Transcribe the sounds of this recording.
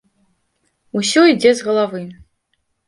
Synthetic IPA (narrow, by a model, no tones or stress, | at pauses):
usʲɔid͡zʲɛzɣɐlˠavɨ